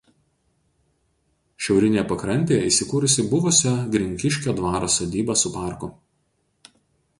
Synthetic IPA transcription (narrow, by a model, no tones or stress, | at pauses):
ʃʲɛʊɾʲɪnʲeːjɛpɐkɾɐnʲt̪ʲeːjɛiːˑsʲɪkuːɾʊsʲɪbʊʋʊsʲɛɡɾʲɪŋʲkʲɪʃʲkʲoːd̪ʋɑːɾosɐd̪ʲiːbɐsʊpɑˑɾkʊ